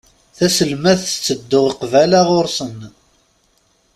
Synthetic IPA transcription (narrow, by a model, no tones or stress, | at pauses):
θæsəlmæθət͡sːəd̪ːʊʁqvælaʁʊɾsən